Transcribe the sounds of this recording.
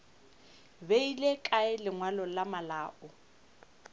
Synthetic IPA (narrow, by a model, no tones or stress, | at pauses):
beilekʼaɪlɪŋwalɔlamalaːʔɔ